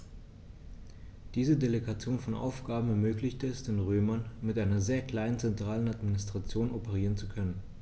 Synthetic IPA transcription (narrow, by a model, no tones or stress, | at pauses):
d̥iːzədeleɡat͡sjoːnfɔnʔa̰ʊfɡ̥aːbm̩ɛɐmøːklɪçtəɛsd̥eːnʁøːmɐnmɪtʔaɪnɐzeːɐkl̥aɪnənt͡sɛntʁ̥aːlənatminɪstʁ̥at͡sjoːnopəʁ̞iːʁənt͡su̥kʰœnən